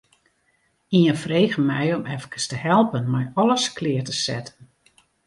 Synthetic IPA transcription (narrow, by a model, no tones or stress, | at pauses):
iənfrejɣəmɛjɔmɛfəkəstəhɛlˠpənmɛjɔləskʰlɪːərtəsɛ̰tən